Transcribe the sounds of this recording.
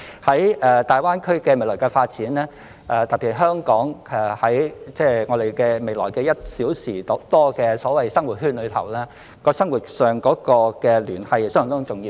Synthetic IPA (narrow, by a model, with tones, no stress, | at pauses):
hɐ˨˥jɛː˨t̪aː˨jwaː˥nkʰɵ˥kɛː˧me˨˩lɔ˨˩jkɛ˧faː˧t̚t͡siː˨˥nlɛː˥ | ʔɛ˨t̪ɐ˨k̚piː˨˩t̚ɦœː˥ŋkɔː˨˥ŋɛ˨˩hɐ˨˥jt͡sɛː˥ŋɔː˨˧d̪e˨jkɛː˧me˨jlɔː˨˩jkɛː˧jɐ˥t̚siː˨˥wsiː˨˩t̪t̪ɔː˥kɛː˧sɔː˨˥wɐ˨jsɐ˥ŋwuː˨˩t̚hyː˥nlɵ˨˧ɥt̪ʰɐ̰˨˩wlɛː˥ | kɔː˧sɐ˥ŋwuː˨t̚sœː˨ŋkɔː˨˥kɔː˧kɛː˧lyː˨˩nhɐ˨jst̪ːt͡sʊ˨˩ŋjiː˧